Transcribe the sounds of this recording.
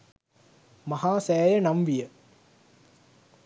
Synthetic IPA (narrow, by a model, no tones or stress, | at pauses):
mɐhaːsɛːjɐnɐmʋijə